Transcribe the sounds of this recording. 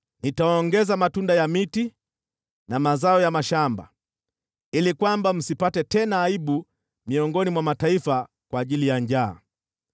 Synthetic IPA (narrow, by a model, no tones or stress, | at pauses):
nitaɔŋɡɛzamatundajamiti | namazaɔjamaʃamba̰ | ilikwambam̩sipatɛtɛnaːiɓu | miɔŋɡɔnimwamataifa | kwaːʄilijaɲd͡ʒa̰ː